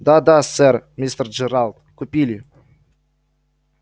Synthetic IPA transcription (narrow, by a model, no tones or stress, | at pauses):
d̪ɑd̪ɑsermʲist̪ərd͡ʒeɾalˠt̪̚kupʲilʲi